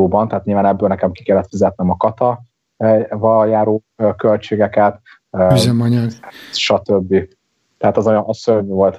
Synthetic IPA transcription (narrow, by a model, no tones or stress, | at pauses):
oːbɒnt̪ɛaːt̪ɲilvaːnɛbːøːlnɛkɛmki̥kɛlːɛt̪fizɛt̪̚nɛmɒkɒt̪ɒ | vɒljaːɾoː | kølt͡ʃeːɡɛkɛt̪ː | yzɛmɒɲɒɡʃɒt̪øbːi | t̪ɛɦaːt̪ɒzojʔɒsøɾvyvo̞lt̪